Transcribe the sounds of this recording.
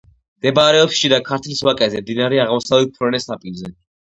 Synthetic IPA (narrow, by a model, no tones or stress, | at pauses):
md̪̥ɛbaɾɛɔpsʃid̪akʰaɾt̪ʰliswakʼɛzɛmd̪inaɾɛaʁmɔsavlɛt̪̚pʰɾɛnɛsapʼilzɛ